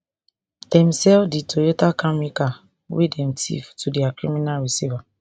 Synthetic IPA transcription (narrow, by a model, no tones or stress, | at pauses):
d̥ɛ̃msɛlfditʰojotakamika | wʔḛdɛ̃mtʰḭftudɛakɹiminalɹisiva